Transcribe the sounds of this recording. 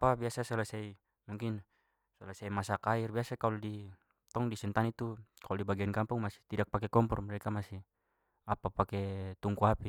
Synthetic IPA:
apabiasasalasai | muŋkin | sɔlasaimasakairbiasakalɔdi | t̪ɔŋdisɛnt̪anit̪ukalɔdibaɡiankampuŋmasi̥t̪idak̚pakɛkɔmpɔrmɛɾɛkamasi | apapakɛt̪uŋkuɦapi

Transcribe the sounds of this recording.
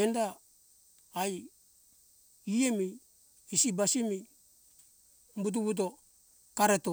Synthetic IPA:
endaː | j | liemiː | sibasimi | mbut̬uβut̬o̞ | kaɾeto

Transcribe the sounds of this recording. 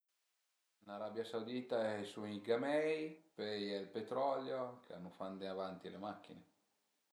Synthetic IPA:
laɾabjasawd̪iːt̪aɛsuiɡamɛjpɛjɛlpet̪ɾɔljokea̰nːufand̪eavant̪ilemakːine

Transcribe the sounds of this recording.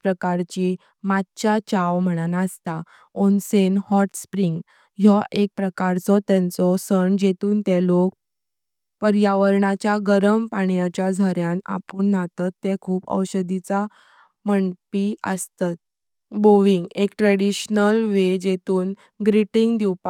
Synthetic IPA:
pɾəkaɾt͡ɕi | mat̪t͡ɕat͡ɕawm̤əɽ̃anaəst̪a | onsenhɔʈspɾiŋɡ | jɔʔek̚pɾəkaɾt͡sɔt̪ɛ̃nt͡sɔsəɳd͡ʑet̪uːnt̪ɛlok̚ | pəɾjaʋəɾɳat͡ɕjaɡəɾəmpaɳjat͡ɕjad͡zʱəɾjana̰puːɳːat̪at̪ːekʰuːpə̰wɕəd̪it͡sa | məɳpiə̰st̪at̪̚ | boʋiŋɡekʈɾəɽiɕnəlʋed͡ʑet̪uːn | ɡɾiʈiŋɡd̪iwpa

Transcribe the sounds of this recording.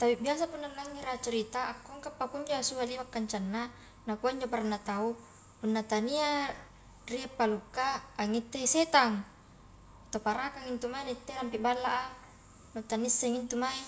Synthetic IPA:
t̪apibias̬apunːalːaŋːiɾat͡ʃuɾit̪aʔːkːoŋkapːapuɲd͡ʒoasualiwakːaɲt͡ʃanːa | nakuaiɲd͡ʒoparanːat̪au | punːat̪ania | riapːalukːaːŋːit̪ːeset̪aŋ | t̪opaɾakaŋint̪umainit̪ːelampiʔbalːaʔa | not̪anisːɛŋint̪umai

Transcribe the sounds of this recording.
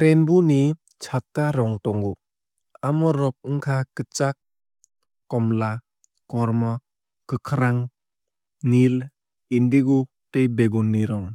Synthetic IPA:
pɾenbuni | t͡ʃʰatːaɾɔŋtɔŋɡu | amɔɾɔk̚ɯŋkʰakɯt͡ʃak̚ː | ɔmla | kɔɾmɔ | kɯkʰɾaŋ | nil | indiɡu | tejbeɡɔnːiɾɔŋ

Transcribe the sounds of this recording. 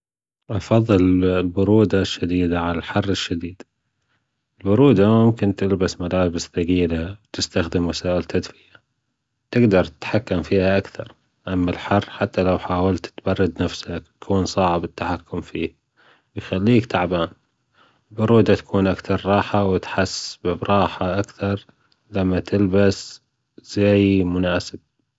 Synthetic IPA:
ʔɑfɑðˤːɨllbʊɾuːd̪aʃːad̪iːd̪aʕalalħɑrˤːɪʃːad̪iːd̪̥ | ʔɪlbʊɾuːd̪aʊmkɪnt̪ɪlbasmalaːbɪsθaɡiːlawt̪ɪst̪axd̪ɪmwasaːʔɪlt̪ʰad̪fɪja | t̪ɪɡd̪ɑɾˤt̪ɪ̥t̪ħakːamfiːhaʔakθɑ̰ɾˤ | ʔamːalħɑrˤːħat̪ːalawħaːwalt̪t̪bɑrˤːɑd̪nafsakt̪ḁkʰuːnsˤɑʕɪbɪt̪ːaħakːʊmfiːh | wjxalːiːkt̪aʕbaːn | bʊɾuːd̪at̪ḁkʰuːnʔakθɑɾˤɾˤɑːħawɪt̪ħasːbɪbɾˤɑːħaʔakθɑɾˤ | lamːat̪ʰɪlbas | z̥ajmʊnaːsɪb̥̚

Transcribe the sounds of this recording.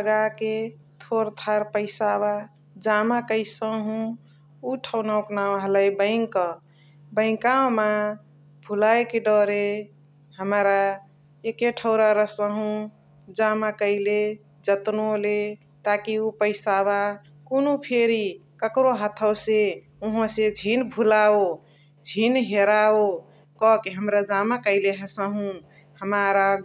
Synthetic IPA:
ləɡake | t̪ʰoɾt̪ʰaɾpəɪsaβa | d͡ʒamakəɪsəɦũ | uʈʰəʊnawknawɦələjbə̃ɪŋkə | bəɪ̃ŋkaoma | bʱulajkeɖɔɾe | həmɾa | ekeʈʰəʊɾaɾəsəɦũ | d͡ʒamakəɪle | d͡ʒət̪nole | t̪akiupəɪsaβa | konopʰeɾi | kəkɾoɦət̪ʰəwse | uɦõsed͡ʒʱinbʱulao | d͡ʒʱinɦeɾao | kɔkeɦəmɾad͡ʒamakəɪleɦəsəɦũ | həmaɾa

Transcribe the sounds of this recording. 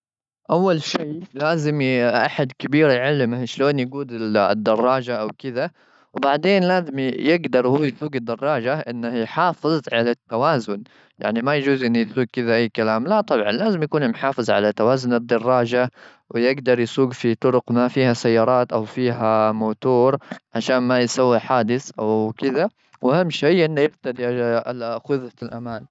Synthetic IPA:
ʔawːalʃeːlaːzɪmʔa̰ħad̪kɪbiːɾjʕalːɪmahʃloːnjaɡuːd̪ɪd̪ːɑrˤːɑːd͡ʒaʔawkɪd̪a | wbaʕd̪eːnlaːzɪmjɪɡd̪ɑɾˤhuːjsuːɡɪd̪ːɑrˤːɑːd͡ʒaʔɪnːahjħɑːfɨðˤʕalat̪ːawaːzʊn | ja̰ʕnimajad͡ʒuːzʔɪnːijsuːɡ̚kɪd̪aʔajːkalaːmlat̪ˤɑbʕɑnlaːzɪmjakuːnmħɑːfɨzˤʕa̰lat̪awaːzʊnɪd̪ːɑrˤːɑːd͡ʒa | wɪjɪɡd̪ɑɾˤjsuːɡfit̪ˤʊɾʊqmafiːhasajːɑːɾˤɑːt̪ʔawfiːɦamoːt̪uːɾʕaʃaːnmajsawːiħaːd̪ɪθʔawkɪd̪a | wʔahamːʃajʔɪnːajɪɾt̪ad̪iʔaʔalaxʊðɑlʔa̰maːn

